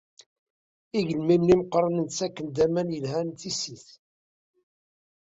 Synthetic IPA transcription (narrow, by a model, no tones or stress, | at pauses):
iʝəlmimːiməqɾˤənənt͡sːækːənd̪æmænjəlɦænt̪isiθ